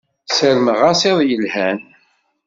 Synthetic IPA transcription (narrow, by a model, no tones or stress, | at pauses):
səɾməʁasɪðˤjəlhæn